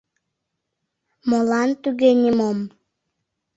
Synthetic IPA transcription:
molɑnt̪yɣenʲimom

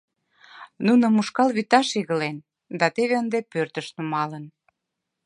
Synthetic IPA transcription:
nunŏmuʃkɑlβit̪ɑʃiɣəlen | d̪ɑt̪eβeənd̪epørt̪əʃnumɑlən

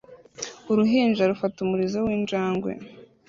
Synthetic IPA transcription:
uɾuɦiːnd͡ʒaɾufatumuɾizowiːnd͡ʒaːŋɡwe̞̰

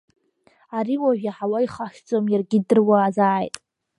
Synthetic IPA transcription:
aɾiwaʒᶣaħawaiχaʃᶣd͡zʼomjarɡʲɪdɨrwaːzaːjtʼ

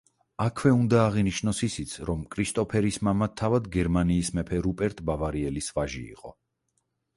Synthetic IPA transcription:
akʰwɛund̪aːʁiniʃnɔsisit̪sʰɾɔmkʼɾist̪ʼɔpʰɛɾismamat̪ʰavad̪ɡɛɾmaniːsmɛpʰɛɾupʼɛɾt̪ʼbavaɾiɛlisvaʒḭːqʼɔ̰

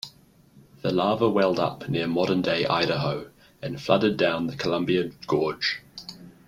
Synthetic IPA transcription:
ðəlɑːvəwɛlˠdʌ̰pnɪəmɒɾəndeɪʔa̰ɪɾəɦəʊ | ə̃nflʌɾədãʊ̃nðəkʰəlʌ̃mbiəɡ̥ɔːd̥ʒ̥

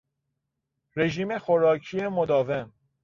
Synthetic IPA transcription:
ɾe̞ʒiːme̞xoɾɒːcʰijemod̪ɒːve̞m

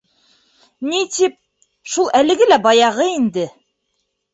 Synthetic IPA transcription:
nit̪ip̚ | ʃulˠʔælɘ̆ɡɘlæbɑjɑʁɤind̪ɘ

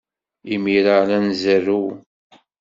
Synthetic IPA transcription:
imiɾalænzəru

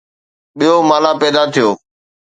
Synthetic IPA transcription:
ɓijomaːlaːpɛːd̪aːt̪ʰɪjoː

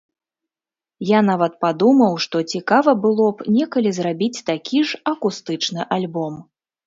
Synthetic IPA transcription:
janavɐt̪̚pad̪umɐwʂt̪ɔt͡sʲikavɐbɨlˠɔpnʲɛkɐlʲizrabʲit͡sʲt̪akʲʰiʐɐkust̪ɨt͡ʂnɨʔalʲbɔm

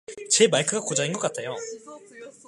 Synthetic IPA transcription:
t͡ɕe̞maɭkʰɯɡakod͡ʑainɡʌk͈atʰejo

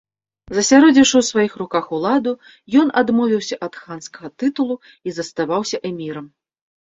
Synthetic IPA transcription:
zɐsʲaɾɔd͡zʲiʂɨwsvajixrukaxulˠad̪u | jɔnad̪mɔvʲiwsʲɐʔɐt̪xanskɐɣɐt̪ɨt̪ulˠu | izɐst̪avawsʲɐʔɛmʲiɾɐm

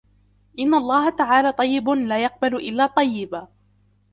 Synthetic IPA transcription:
ʔɪnːaʔɑlˤːɑːɦat̪aʕaːlaːt̪ˤɑjːɪblaːjɑq̚balʊʔɪlːaːt̪ˤɑjːɪba

